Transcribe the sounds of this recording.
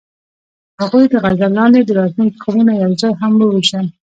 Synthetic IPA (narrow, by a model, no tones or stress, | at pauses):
haɣujd̪əɣazalɑnd̪ed̪əɾɑt̪luŋɡkʰawunajawzɑjɦamwəwuʃan